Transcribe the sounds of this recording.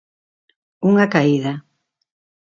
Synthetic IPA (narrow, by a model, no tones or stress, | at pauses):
uŋakaiða